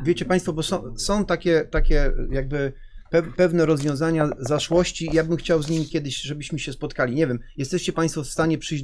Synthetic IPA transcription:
vʲet͡ɕɛpaj̃st̪fɔbɔsɔ̃w̃sɔ̃w̃t̪akʲɛt̪akʲɛjaɡ̚bɘ | pɛpɛvnɛɾɔzvʲjɔ̃w̃zaɲazaʂwɔɕt͡ɕiːjabɘmxt͡ɕawzɲimʲikʲjɛd̪ɘɕʐɛbɘɕmɘɕɛspɔt̪kalʲiɲɛvʲjɛmjɛst̪ɛɕt͡ɕɛpaj̃st̪fɔfst̪aɲɛpʂɘd͡ʑ

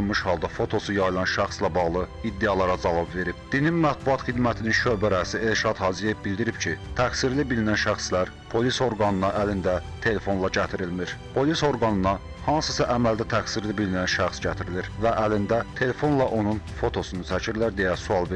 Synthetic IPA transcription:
nmɯʃhɑlˠd̪ɑfo̞t̪ʰo̞sujɑjlˠɑnʃæxslæbɑɣlˠɯid̪ːeɑlˠɑɾɑd͡ʒɑvɑbve̞ɾib̥d̪̥ininmæt̪̚buɑt̪χid̪mæt̪ʰininʃø̞bæɾæsie̞lʃɑd̪hɑzije̞vbild̪iɾibcʰit̪ʰæksiɾlibilinænʃæxslæɾ | pʰo̞liso̞ɾɡɑnɯnɑʔælind̪æt̪ʰe̞le̞fo̞nlˠɑɟæt̪ʰiɾilmiɾpʰo̞liso̞ɾɡɑnɯnɑ | hɑnsɯsɑʔæmæld̪æt̪ʰæksiɾlibilinænʃæxsɟæt̪ʰiɾiliɾvæʔælind̪æt̪ʰe̞le̞fo̞nlˠɑʔo̞nunfo̞t̪ʰo̞sunut͡s̪ʰæcʰiɾlæɾd̪ejæsuɑlˠve

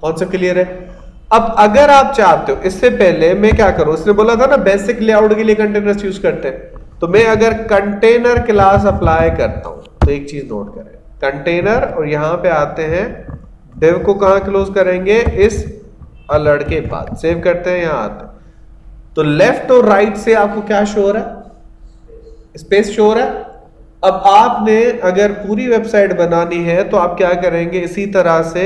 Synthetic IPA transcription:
kɔ̃ːnsɐp̚klijəɾɦɛ | ɐbɐɡəɾaːp̚t͡ʃaːɾt̪eɦõʔɪsːepɛɦlemɛ̃kjaːkɐɾũɪsneboːlat̪ʰanabeːsɪkliaːʊʈkeliekɐ̃ɳʈeːnəɾsjuːzkɐɾt̪ẽɦɛ̃ːt̪omɛ̃ɐɡəɾkɐ̃ɳʈeːnəɾklaːs̬ɐplaːjkɐɾt̪a̰ɦṵ̃t̪oeːk̚t͡ʃiːzno̰ːʈ̚kɐɾḛ̃ːɡkɐ̃ɳʈeːnəɾɔːɾjɐɦãpeaːt̪eɦɛ̃ | ɖɪʋkokɐɦãkloːzkɐɾẽːŋɡeʔɪs | ɐləɾɽkeba̰ːd̪seːʋkɐɾt̪eɦɛ̃jɐɦãa̰ːt̪eɛ̃ | t̪oːlɛfʈɔːɾaːɪʈseaːp̚kokjaːʃoːɾɦɛː | ɪspeːsʃoːɾɦɛː | ɐbaːpneɐɡəɾpuːɾiʋeːbsaːɪʈbɐnaːniɦɛt̪oaːp̚kjaːkɐɾẽːŋɡeɪsit̪ɐɾəse

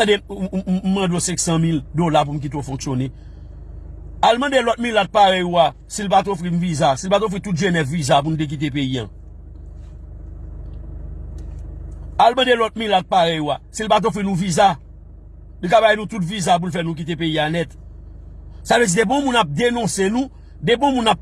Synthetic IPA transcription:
demm̩mɐ̃dosɛ̃ksãmildolap̬um̩k̬it̪̬ofɔ̃ksjone | almɐ̃delɔt̪̚milat̪̚paɣɛjoa | silpat̪̬ofɣinũvizasilpat̪̬ofɣit̪ut̚ʒenɛvvizap̬unũt̬ek̬it̬ep̬eiã̰ | almʌ̃delɔt̚mĩlat̪̚paɣɛjoasilpat̬ofʁinũviza | likabajnũt̪ut̬vizap̬ulfɛnũk̬it̪̬epeianɛt̪ | savød͡zidebɔ̃mũnap̚denɔ̃senũ | debɔ̃mũnap̚

